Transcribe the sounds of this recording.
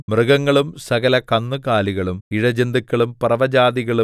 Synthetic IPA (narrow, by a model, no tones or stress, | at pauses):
mrɨɣɐŋːɐɭumsɐɣɐlɐkɐnːukaːliɣɐɭumiɻɐd͡ʑend̪ukʲːɐɭumprɐʋɐd͡ʑaːd̪iɣɐɭu